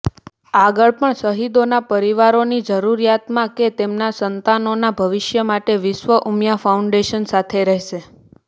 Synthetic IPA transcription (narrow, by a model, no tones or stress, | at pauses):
aɡəɭpəɳsəɦid̪onapəɾiʋaɾonid͡ʒəɾuɾjat̪mãket̪emnasənt̪anonabʱəʋɪʃjəmaʈeʋɪʃʋəʔumjafaũɳɖeʃənsat̪ʰeɾɛɦʃe